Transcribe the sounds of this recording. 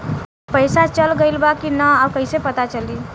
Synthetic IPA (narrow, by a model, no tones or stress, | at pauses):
pəɪsat͡ʃəlɡəɪlbakinəabkəɪsepət̪at͡ʃəli